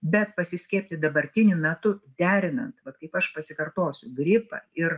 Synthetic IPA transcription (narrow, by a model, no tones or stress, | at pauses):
bʲɛt̪pɐsʲɪsʲkʲɛːpʲt̪ʲɪd̪ɐbɐɾʲt̪ʲɪnʲʊmʲɛt̪ʊd̪ʲæːɾʲɪnɐnt̪ʋɐt̪kɐɪpɐʃpɐsʲɪkɐrt̪oːsʲʊɡɾʲɪpɐ̰ɪr